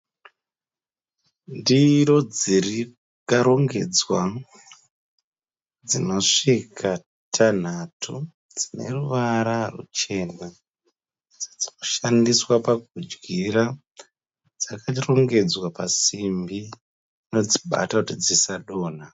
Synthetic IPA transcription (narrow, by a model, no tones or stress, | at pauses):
ndiɾo̞d͡ziri | kaɾo̞ŋɡe̞̰d͡zwa | d͡zino̞ʂikʰa | tʰan̤atʰu | d͡zine̞̰ruʋaɾarṵt͡ʃe̞na | d͡zad͡zinoʃandiswapaɡ̚ud͡ʒɡiɾa | d͡zakaro̞ŋɡe̞d͡zwapasimbi | ino̞d͡ziɓa̰takutid͡zisaɗo̞ːn̤a